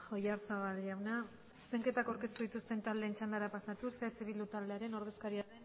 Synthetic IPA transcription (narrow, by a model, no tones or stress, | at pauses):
xo̞jaɾt͡saβalɾiawna | su̥se̞ŋke̞t̪akawɾke̞st̪uðit̪ust̪e̞nt̪ald̪e̞ːnt͡ʃand̪aɾapasat̪uset͡seβild̪ut̪ald̪e̞aɾe̞no̞ɾð̞e̞skaɾiae